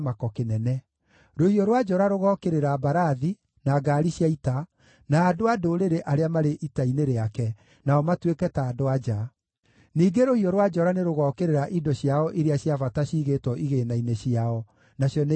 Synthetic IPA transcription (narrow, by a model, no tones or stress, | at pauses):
makɔkenɛnɛ | ɾohiɔɾwad͡ʒɔɾaɾoɣɔkeɾeɾabaɾaði | naɡaɾiɕjaita | naːdoadoɾeɾeʔaɾeamaɾeʔitaineɾeakɛ | naɔmatwekɛtaːdoad͡ʒa | niːɡeɾohiɔɾwad͡ʒɔɾaneɾoɣɔkeɾeɾaʔidɔɕjaɔʔiɾeaɕjavataɕiːɣetwɔʔiɣenaineɕijaɔ | naɕjɔne